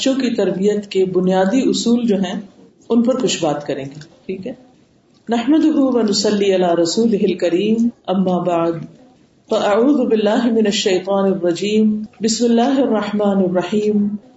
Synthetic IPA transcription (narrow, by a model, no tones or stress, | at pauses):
t͡ʃõkit̪ɐɾbijət̪kebʊnijaːd̪iʔʊsuːld͡ʒoːɦɛ̃ | ʊnpɐɾkʊt͡ʃʰbaːt̪kɐɾẽːŋɡeːʈʰiːkɦɛː | nɐħməd̪ʊɦʊʋɐnʊsɐlːiɐlaːɾɐsuːlɪɦɪlkɐɾiːmɐmːaːbaʕd̪ | fɐʔɐʕuːðʊbɪlːaːɦmɪnɐʃːɐjt̪ˤɑːnɪrːɐd͡ʒiːmbɪsmɪlːaːɦɪɐrˤːɐħmaːnɐrːɐħiːm